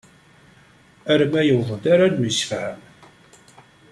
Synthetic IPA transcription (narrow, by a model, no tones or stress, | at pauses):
æɾmæjəwðˤəd̪aɾad̪məsfhəm